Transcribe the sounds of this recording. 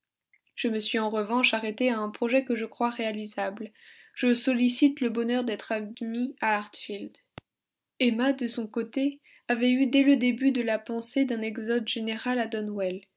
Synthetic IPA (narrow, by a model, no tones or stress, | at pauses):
ʒ̥əməsɥiɑ̃ʁəvɑ̃ʃaʁet̪eaɛ̃pχɔʒɛkəʒəkχwaʁealizabl | ʒ̥əsɔlisit̪ləbɔnœʁd̪ɛt̪χamiaːʁt̪fild̪ | ɛmad̪əsɔ̃kot̪e | avɛyd̪ɛləd̪ebyd̪əlapɑ̃sed̪ɛ̃nɛɡzɔd̪ʒeneʁalad̪ɔnwɛl